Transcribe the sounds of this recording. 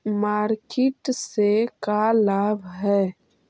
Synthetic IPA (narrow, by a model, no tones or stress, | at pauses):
maːɾkeʈsekalabʱɦɛ